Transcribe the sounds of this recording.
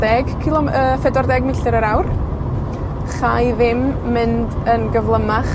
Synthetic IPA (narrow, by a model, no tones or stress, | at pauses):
dɛɡkʰilˠɔəfɛdɔrdɛɡmɪɬɨɾəɾawr | χajðɪmːɨndənɡəvlˠəmaχ